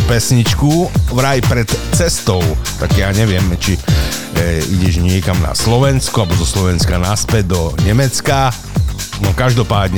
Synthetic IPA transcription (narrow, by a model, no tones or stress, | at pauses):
pɛsɲit͡ʃkuʋɾajpɾɛt̪t͡sɛst̪ɔʊt̪aɡjaːɲɛʋɪɛmt͡ʃi | iɟɛʒɲɪɛkamna̰slɔʋɛnskɔabɔzɔslɔʋɛnskanaspɛd̪̚d̪ɔɲɛmɛt͡ska | nɔkaʒd̪ɔpaːd̪ɲɛ